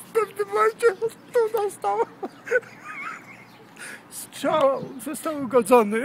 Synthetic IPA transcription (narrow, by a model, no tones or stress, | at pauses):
fpɛvnɘmmɔmɛt͡ɕɛt̪unast̪aw | sʂawzɔst̪awuɡɔd̪zɔnɘ